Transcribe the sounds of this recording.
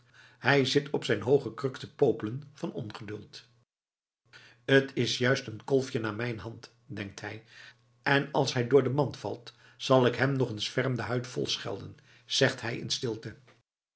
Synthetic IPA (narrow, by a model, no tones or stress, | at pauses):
hɛjzɪtʰɔpsɛjnɦowχəkrɵktəpowpələnvɑnɔnχədɵlˠt | ətʰɪsjœɥstənkɔlˠfjənaːɹmɛjnɦɑnt | dɛŋk̚tɦɛj | ʔɛnɑ̰lˠsɦɛjdʊːɹdəmɑntfɑ̰lˠt | z̥ɑlˠɪkɦɛmnɔχənsfɛrmdəɦœɥtfɔ̰lˠsχɛ̰lˠdən | z̥ɛχtɦɛjɪ̰nstɪlˠtə